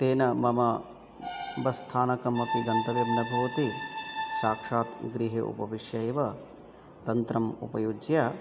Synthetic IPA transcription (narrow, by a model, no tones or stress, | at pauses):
t̪eːnɐmɐmɐ | bɐst̪ʰaːnɐkɐmːɐpiɡɐnt̪ɐʋebnɐbʱɐʋɐt̪iʃaːkʂaːt̪ɡɾiɦeʔṵpɐʋiʃjɐeʋɐ | t̪ɐnt̪ɾɐmṵpɐjud͡ʒja